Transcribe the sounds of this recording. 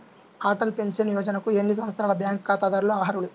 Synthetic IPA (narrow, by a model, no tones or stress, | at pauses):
aːʈɐlpe̞nsɐnjɔːd͡ʒɐnɐkuiɾeɳːis̬ɐmɐt̪sʰɾaːlɐbjaːŋkːaːt̪aːd̪aːɾuluɐʋɦɐɾulu